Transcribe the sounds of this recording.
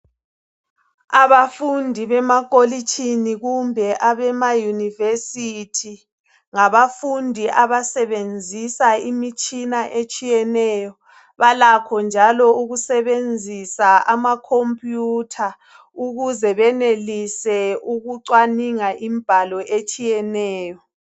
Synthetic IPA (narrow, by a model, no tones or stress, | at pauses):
aβafundʱiβɛmak̬ʼolit͡ʃʰʼiniɣumbʱɛʔaβɛmajunivesitʰi | ŋaβafundʱiʔaβasɛβend͡zʱisaimit͡ʃʼinaʔet͡ʃʼijɛnɛːjɔ | βalakʰɔnd͡ʒʱalɔuɣusɛβend͡zʱisaamakʰompʼjutʰa | uɣuzɛβɛnelisɛuɣuǀwaniŋaʔimib̥ʱalɔʔet͡ʃʼijɛnɛːjɔ